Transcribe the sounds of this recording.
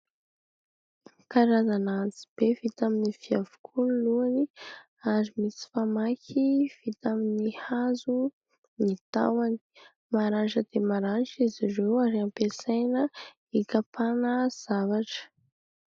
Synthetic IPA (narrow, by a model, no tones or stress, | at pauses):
kaɾazanant͡si̥b̥evit̪aminifiavu̥kʰuniluani | aɾimisi̥famakiv̥it̪aminihazu | nit̪a̰wani̥ | maɾanʈ͡ʂəd̪̥emaɾanʈ͡ʂizirewaɾiampesajnə | ikapʰanəz̥avaʈ͡ʂə̥